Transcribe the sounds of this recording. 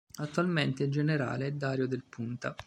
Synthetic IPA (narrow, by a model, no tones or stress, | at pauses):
at̪ːualment̪eind͡ʒeneɾa̰ːleɛd̪ːaːɾjod̪elpunt̪a